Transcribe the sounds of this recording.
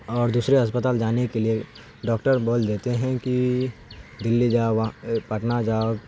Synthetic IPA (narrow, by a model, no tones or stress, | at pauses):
ɔːɾd̪uːsɾeɦɐspət̪aːld͡ʒaːnekelie | ɖɔːkʈəɾboːld̪eːt̪eɦɛ̃ki | d̪ɪlːid͡ʒaːʋpɐʈnad͡ʒaːɡ